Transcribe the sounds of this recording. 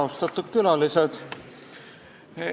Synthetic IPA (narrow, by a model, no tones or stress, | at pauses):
ost̪ɑt̪ːukkylɑlːiset̪